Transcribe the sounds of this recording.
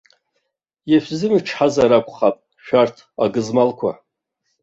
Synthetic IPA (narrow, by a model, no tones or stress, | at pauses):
jaʃʷᶣzɨmɨʈ͡ʂʰħazaɾakʷʰʼχapʼ | ʃᶣartʰaɡɨzmalkʷʰa̰